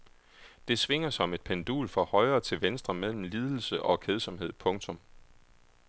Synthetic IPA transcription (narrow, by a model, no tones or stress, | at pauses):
d̥e̝sʋe̝ŋ̰ɐsɒ̽me̝d̥̚pʰend̥ṵːlfɒ̽hɒ̽ɪɐːt͡sʰe̝lʋensd̥ʁɐmel̰m̩liːð̞ˠl̩səʔɒ̽kʰeð̞ˠsɒ̽mɦe̝ð̞̰ˠpʰɔ̽ŋt͡sʰɔ̽m